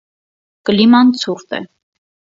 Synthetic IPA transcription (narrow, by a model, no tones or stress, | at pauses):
kəlimɑnt͡sʰuɾt̪ɛ̰